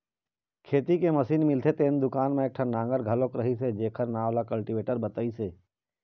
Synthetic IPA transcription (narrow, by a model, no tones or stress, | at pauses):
kʰeːt̪ikemɐsiːnmɪlt̪ʰet̪eːnd̪ʊkaːnmẽeːk̚ʈʰanãːŋɡəɾɡʱɐlõːkɾəɦised͡ʒeːkʰəɾnaːʋlakɐlʈiʋeːʈəɾbɐt̪əiseː